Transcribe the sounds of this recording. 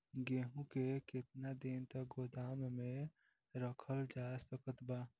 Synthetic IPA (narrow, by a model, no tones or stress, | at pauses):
ɡeːɦũkekɪt̪nad̪ɪnt̪ək̚ɡod̪aːmmẽ | ɾəkʰəld͡ʒaːsəkət̪baː